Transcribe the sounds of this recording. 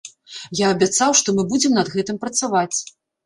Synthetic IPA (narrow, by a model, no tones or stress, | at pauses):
jaːbʲat̪sawʂt̪ɔmɨbud͡zʲɛmnɐd̪ɣɛt̪ɨmpɾɐt̪savat͡sʲ